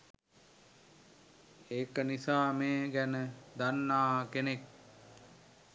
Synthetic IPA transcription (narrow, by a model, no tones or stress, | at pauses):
eːkənisaːmeːɡænəd̪anːaːkenek̚